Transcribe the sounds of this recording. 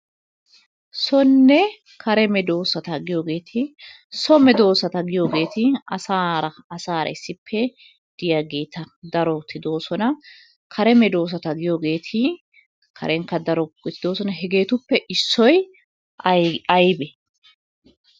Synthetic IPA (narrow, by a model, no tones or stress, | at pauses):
sɔnːɛ | kʰɐɾɛmɛd̪o̞ːsɐt̪ɐɡɪjoːɡe̞ːt̪ʰɪ | sɔmɛd̪o̞ːsɐt̪ɐɡɪjo̞ːɡe̞ːt̪ɪɐsaːɾɐːsaːɾɐ̰ɪsːɪpʰːɛ | d̪̥ɪjaɡe̞ːt̪ɐd̪ɐɾɔt̪ʰɪd̪o̞ːsɔnɐ | kʰɐɾɛmɛd̪o̞ːs̬ɐt̪ɐɡɪjo̞ːɡe̞ːt̪ʰɪ | kʰɐ̰ɾɛŋkːɐd̪ɐɾɔɡt̪ːɪd̪oːsɔnɐɦɛɡe̞ːt̪ʊpːɛʔɪsːɔj | ɐjbɛ